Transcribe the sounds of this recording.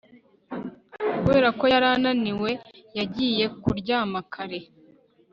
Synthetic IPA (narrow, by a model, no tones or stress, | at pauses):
kuβe̞ːɾako̞jaɾananiwe̞ | jaɟiːje̞kuɾɟaːmakʰaɾe̞